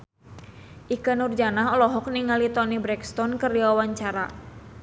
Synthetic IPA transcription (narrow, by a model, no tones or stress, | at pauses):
ʔikanurd͡ʒanaɦɔlɔɦɔk̚niŋalit̪ɔnibɾɛkst̪ɔnkəriwawaɲt͡ʃaɾa